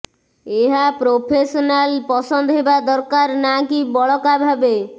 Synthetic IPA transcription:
eɦapɾopʰesɔnalpɔsɔnd̪ɔɦebad̪ɔɾkaɾnakibɔɭɔkabʱabe

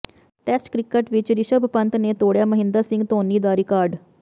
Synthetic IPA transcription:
ʈɛːsʈkɾɪkəʈʋɪt͡ʃɾɪʃəbpənt̪neːt̪oːɽjaːməɦɪ̃nd̪əɾsɪ̃ŋɡt̪oːniːd̪aːɾɪkaːɾɖ

